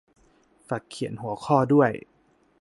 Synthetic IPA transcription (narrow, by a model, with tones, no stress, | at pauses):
fa˨˩kʰːi˨˩˦ənhu˨˩˦əkʰɔː˥˩du˥˩əj